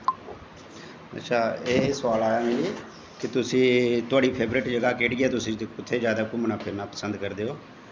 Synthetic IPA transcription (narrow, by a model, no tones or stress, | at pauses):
ə̰tːʃʰaːeːsʋaːlaːjaːmɪliː | kɪt̪ʊsĩːt̪ʊaːɽiːpʰeːbɾeːʈd͡ʒəɡaːkeːʈɡɪaːt̪ʊsĩːʊt̪ʰːeːd͡ʒjaːd̪aːkʊmnaːpʰɪɾnaːpəsə̃nd̪kəɾd̪eːoː